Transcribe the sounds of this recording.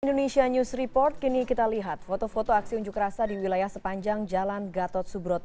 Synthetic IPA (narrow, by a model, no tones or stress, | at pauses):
indonesianusripɔrt̪̚kinikit̪aliɦat̪̚fot̪ofot̪oaksiuɲd͡ʒʊkɾasadiwilajahsəpaɲd͡ʒaŋd͡ʒalanɡat̪ɔt̪̚subɾɔt̪̚